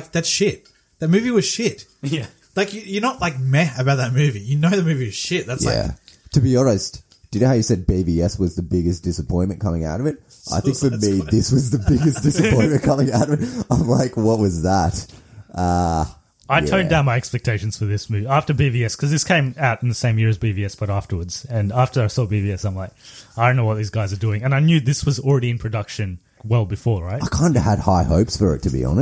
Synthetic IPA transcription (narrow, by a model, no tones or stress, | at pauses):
kðɨtʃɪt̚ | ðɨt̚mʉviwʌz̥ʃɪt̚ | laɪkjɨjə˞nətˡlaɪk̚mæɨbaʊt̪̚ðɨt̚mʉvijɨnoʊðɨmʉviwʌz̥ʃɪt̚ðætsjlaæɪ̰tʰɨbiɔɹɨs | d̥ɨdⁿnhaʊjɨsɛd̚biviɛswʌzðɨbɪɡɨsd̥ɪsəpʰɔ̃ɪ̃nʔmɨ̃nkʰʌ̃mɪ̃ŋa̰ʊɾʌvɨt̚ | ʔa̰ɪθɪ̃ŋkfə˞miðɪswʌzðɨbɪɡɨsd̥ɪsɨpʰɔ̃ɪ̃nmɨ̃nkʰʌ̃mɪ̃ŋaʊɾʌvɨt̚ãɪ̃mlaɪkwʌt̚wʌzðətʔʌ | aɪtʰɜ̃˞ndãʊ̃nmaɪɛkspɛk̚tʰeɪʃn̩z̥fə˞ðɪsmʉvæftə˞biviɛskʰʌzðɪskʰẽɪ̃maʊɾ̃n̩ðɨsẽɪ̃mjɪɹɨzbiviɛsb̥ʌɾæftə˞wə˞dz̥ɨ̃næftə˞aɪsɔbiviɛsãɪ̃mlaɪk̚aɪdõʊ̃nːoʊwʌt̪̚ðizɡaɪzə˞dʉɪ̃ŋɨ̃naɪnjʉðɪswʌzl̩ˠɹɛɾiɨ̃npʰɹ̥ɨdʌkʃɨ̃n | wɛlˠbɨfɔɹɹaɪtaɪkʰãɪ̃ndɨ̰ɨ̰d̚ha̰ɪhoʊpsfə˞ɨ̰tʰɨbḭə̰̃n